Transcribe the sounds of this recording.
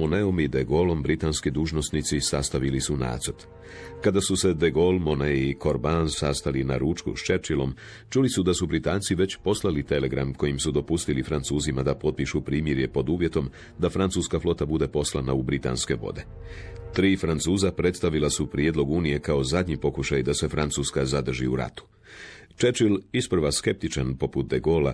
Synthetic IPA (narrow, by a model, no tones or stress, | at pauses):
oneomid̪eɡo̞lo̞mbɾit̪aːnskid̪uːʒno̞snit̪sisast̪aʋilisuna̰ːt̪zoɾt̪ | kad̪asuse̞d̪eɡo̞lmo̞neiko̞ɾbansast̪alina̰ɾuːt͡ʃkṵʃt͡ʃe̞ɾt͡ʃilo̞̰m | t͡ʃulisud̪asubɾit̪aːnt̪siʋe̞t͡ɕpo̞slˠalit̪e̞le̞ɡɾa̰mko̞jimsud̪o̞pust̪ilifɾant̪suːzimad̪apo̞t̪̚piʃupɾiːmjeɾje̞po̞d̪uːʋje̞t̪o̞m | d̪afɾant̪suːskaflo̞t̪abud̪e̞po̞slˠa̰naubɾit̪a̰nske̞ʋo̰d̪e̞t̪ɾiːfɾant̪suːzapɾe̞t̪st̪aʋilasupɾjed̪lo̞ɡuːnije̞kao̞zad̪ɲipo̞kuʃajd̪ase̞fɾant̪suːskazad̪r̩ʒḭuɾa̰t̪u̥ | t͡ʃet͡ʃilispr̩ɾ̩ʋaske̞p̚t̪it͡ʃanpo̞put̪̚d̪eɡo̞ːla